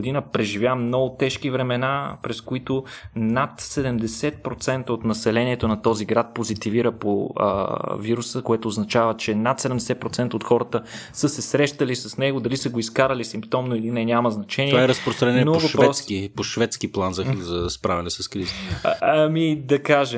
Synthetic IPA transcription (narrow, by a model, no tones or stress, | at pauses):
d̪inəpɾɛʒivjamnɔɡʊt̪ɛʃkivɾɛmɛnapɾɛskoit̪onat̪sɛd̪ɛmd̪ɛsɛt̪̚pɾot̪sɛnt̪əot̪nɐsɛlɛniɛt̪onɐt̪ɔziɡɾat̪̚pozit̪iviɾəpo̰ | viɾusəkoɛt̪oːznɐt͡ʃavət͡ʃɛnat̪sɛd̪ɛmd̪ɛsɛt̪̚pɾot̪sɛnt̪əot̪xɔɾət̪əsəsɛsɾɛʃt̪əlisɐsnɛɡod̪ɐlisəɡoiskaɾəlisimpt̪ɔmnoilinɛɲʲaməznɐt͡ʃɛniɛaɛɾɐspɾost̪ɾɐnɛɛɛnovɐʃpɾɛskipoʃvɛt̪skiplˠanzɐzɐspɾavʲɛnɛsɐskɾizəɐmid̪ɐkaʒɛ